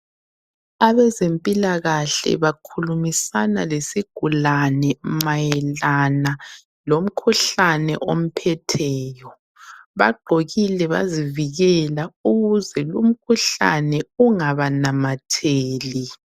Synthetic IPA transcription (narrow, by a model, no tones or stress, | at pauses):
aβɛzempʼilaɣaɬɛ̰βakʰulumisanalesiɡ̥ʱulanɛmajɛlana | lom̩kʰuɬanɛ̰ʔom̩pʰɛtʰɛːjɔ | βa̰ɡ͡ǃʱoɣilɛβa̰ziviɣɛlauɣuzɛlum̩kʰuɬa̰nɛuŋaβanamatʰeːli